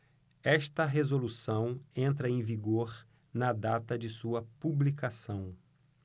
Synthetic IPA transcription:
ɛʃt̪ɐɦezolusɐ̃w̃ẽnt̪ɾɐẽj̃viɡoɾ | nɐd̪at̪ɐd͡ʒɪsuɐpublikasɐ̃w̃

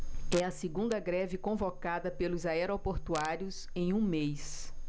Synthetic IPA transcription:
ɛɐsiɡũnd̪ɐɡɾɛvɪkõvokad̪ɐpelʊzaɛɾopoɾt̪uaɾjʊs | ẽj̃ũmejs

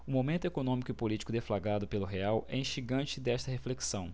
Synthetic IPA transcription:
ʊmomẽnt̪ʊekonõmikʊɪpolit͡ʃi̥kʊd̪eflaɡad̪ʊpelʊɦeawʔɛ̰ĩʃiɡɐ̃t͡ʃɪd̪ɛʃt̪ɐɦefleksɐ̃w̃

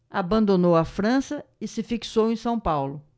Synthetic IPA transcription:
abɐ̃nd̪onowɐfɾɐ̃sɐɪsɪfiksowẽj̃sɐ̃w̃pawlʊ

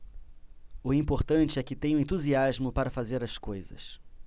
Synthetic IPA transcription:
ʊĩpoɾt̪ɐ̃t͡ʃɪɛkɪt̪ẽj̃ʊ̃ẽnt̪uziazmʊpaɾɐfazeɾɐskojzɐ̰s

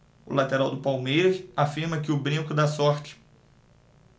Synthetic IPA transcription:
ʊ̰lat̪eɾawd̪ʊpawmejɾɐsafiɾmɐkɪʊbɾĩŋkʊd̪asɔɾt͡ʃɪ̥

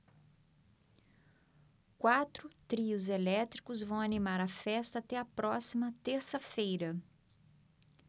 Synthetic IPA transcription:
kwat̪ɾʊt̪ɾiʊzelɛt̪ɾikʊzvɐ̃w̃ɐnimaɾɐfɛst̪ɐːt̪ɛɐpɾɔsimɐt̪eɾsɐfejɾɐ

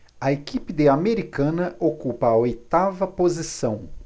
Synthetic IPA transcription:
ɐekipɪd̪eameɾikɐ̃nɐʔokupɐːojt̪avɐpozisɐ̃w̃

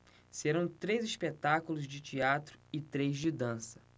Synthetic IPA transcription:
seɾɐ̃w̃t̪ɾejziʃpet̪akulʊzd͡ʒɪt͡ʃiat̪ɾʊɪt̪ɾejzd͡ʒɪd̪ɐ̃sɐ̥

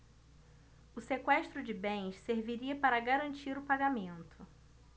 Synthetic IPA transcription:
ʊsekwɛʃt̪ɾʊd͡ʒɪbẽj̃sseɾviɾiɐpaɾɐɡaɾɐ̃nt͡ʃiɾʊpaɡamẽnt̪ʰʊ

